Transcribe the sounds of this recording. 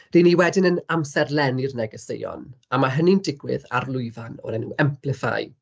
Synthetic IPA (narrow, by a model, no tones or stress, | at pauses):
riːniwɛdɪnənamsɛrlɛnirnɛɡɔsḛjɔ̰n | amaɦənindɪɡwɪ̰ða̰rlˠʊɨvanɔ̰ɾɛnuɛmpʰlɪfa̰j